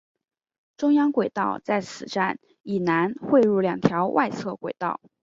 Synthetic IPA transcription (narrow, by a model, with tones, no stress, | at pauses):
ʈ͡ʂʊ˥ŋjɑ˥ŋkwe˨˩ɪt̪ɑ˥˧ʊt͡sa˥˩ɪt͡sʰɹ̩˨˩ʈ͡ʂa˥˩n | i˨˩na˧˥nxwe˥˧ɻu˥˩ljɑ˨˩ŋt̪ʰjɑ˧˥ʊwʔa˥˧ɪt͡sʰɤ˥˩kwe˨˩ɪt̪ɑ˥˩ʊ